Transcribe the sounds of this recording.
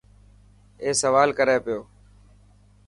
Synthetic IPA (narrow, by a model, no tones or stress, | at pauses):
eːsəʋaːlkəɾeːpɪjoː